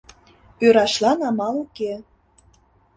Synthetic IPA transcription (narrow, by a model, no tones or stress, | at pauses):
øɾɑʃlɑnɑmɑluke